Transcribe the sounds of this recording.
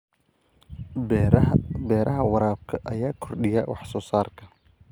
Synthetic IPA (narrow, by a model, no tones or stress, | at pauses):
bɛːɾʔɐɦɐwɑɾaːb̚kʰɐʔɐjaːkʰɔrɗɪjawɑ̰ħsɔːsaːrkʰɐ